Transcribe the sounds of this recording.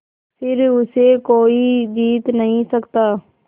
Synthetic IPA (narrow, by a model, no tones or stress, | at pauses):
sɪɾʊseːkoːiːd͡ʒiːt̪nəɦĩsəkt̪aː